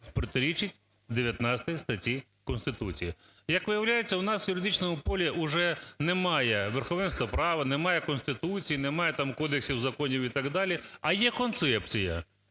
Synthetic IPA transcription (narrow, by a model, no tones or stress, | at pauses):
spɾɔt̪eɾʲit͡ʃɪtʲ | d̪eʋʲjɐt̪nɑt͡sʲt̪ɐjst̪ɐtʲi | kɔnst̪ɪt̪ut͡sʲijɐ | jɐkʋɪjɐwlʲajet͡sʲːɐʊnɑswjʊɾɪd̪it͡ʃnɔmʊpɔlʲiʔʊʒɛnemɑjɛʋerxɔʋɛnst̪ʋɐpɾɑʋɐnemɑjɛkɔnst̪ɪt̪ut͡sʲijinemɑjɛt̪ɑmkɔd̪eksʲiwzɐkɔnʲiwit̪ɑɡd̪ɑlʲiɐjɛkɔnt̪sɛp̚t͡sʲijɐ̰